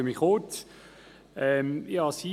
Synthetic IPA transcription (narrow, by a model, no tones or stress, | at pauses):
əmiχoːt̪ | ɛmjɑːsi